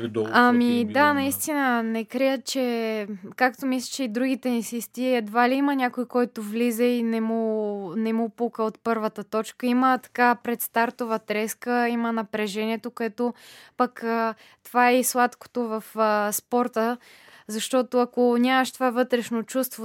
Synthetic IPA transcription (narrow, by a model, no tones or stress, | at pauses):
d̪amid̪anɐist̪inənɛkɾijət̪̚t͡ʃɛkakt̪omislʲi̥t͡ʃɛid̪ɾuɡit̪ɛnsist̪iɛd̪valiimənʲakojkɔjt̪ovlizɛinɛmunɛmupukəot̪pɤɾvət̪ət̪ɔt͡ʃkəimət̪ɐ̥kapɾɛt̪st̪aɾt̪ovət̪ɾɛskəimənɐpɾɛʒɛniɛt̪okoɛt̪opəkə | t̪ovaɛislˠat̪ko̥t̪ovɐfspɔɾt̪ə | zɐʃt̪ɔt̪oɐkonʲaməʃt̪ovavɤt̪ɾɛʃnot͡ʃust̪vo